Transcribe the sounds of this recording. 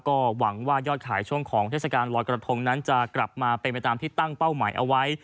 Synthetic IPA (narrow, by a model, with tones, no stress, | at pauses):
kɔː˥˩wa˩˦ŋwaː˥˩jɔː˥˩t̪̚kʰaː˩˦jt͡ɕʰu˥˩əŋkʰɔː˩˦ŋt̪ʰeː˥˩sa˧kaː˧nlɔː˧jkɾa˧t̪ʰo˧ŋna˦˥nt͡ɕa˨˩kla˨˩p̚maː˧pe˧npa˧jt̪aː˧mt̪ʰiː˥˩t̪a˥˩ŋpa˥˩wma̰ː˩˦jʔa̰˧wa˦˥j